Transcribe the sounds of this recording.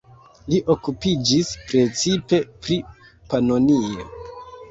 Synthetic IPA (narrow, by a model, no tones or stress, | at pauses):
liʔo̞kupid͡ʒispɾe̞t͡sipe̞pɾi | panonio̰